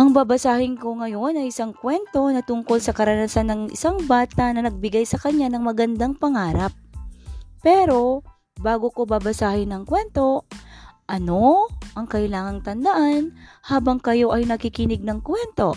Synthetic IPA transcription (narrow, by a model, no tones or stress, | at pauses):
ʔɐŋbabɐsaːhɪnko̞ŋɐjo̞nɐjɪsaŋkwɛnt̪o̞nɐt̪ʊŋko̞lsɐkɐɾɐnasanːɐŋʔɪ̰saŋbaːt̪ɐnɐnɐɡ̚bɪɡajsɐkɐɲːanɐŋmɐɡɐnd̪aŋpɐŋaːɾɐp̚ː | ɛɾo̞ | baːɡoko̞babɐsaːhɪnɐŋkwɛnt̪o̞ | ʔɐno̞ʔɐŋkɐʔɪlaːŋɐŋt̪ɐnd̪ɐʔanhaːbɐŋkɐjo̞ʔɐjnɐkɪkɪnɪɡ̚nɐŋkwɛnt̪o̞